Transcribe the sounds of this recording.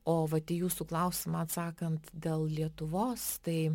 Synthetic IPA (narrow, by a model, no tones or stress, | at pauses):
oːʋɐt̪ʲiːjuːsuːklˠɐʊsʲɪmɐɐt̪sɑːkɐnt̪d̪ʲeːlˠlʲiɛt̪ʊʋoːst̪ɐɪ